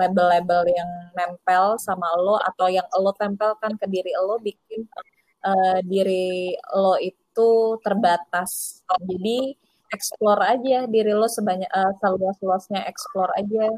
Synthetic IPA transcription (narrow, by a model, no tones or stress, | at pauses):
lebəlːebəljaŋnɛmpɛlsamaloa̰t̪awjaŋəlot̪ɛmpɛlkankədiɾilobik̚ɪn | ʔədiɾiloit̪ut̪ərbat̪asd͡ʒadi | ʔɛksplorad͡ʒadiɾilosəbaɲaəsəluasluasɲaʔɛksplɔra̰d͡ʒa